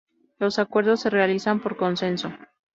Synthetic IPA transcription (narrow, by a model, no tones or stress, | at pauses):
lo̞sakwe̞ɾðo̞sːe̞re̞alisampo̞ɾko̞nse̞nso̞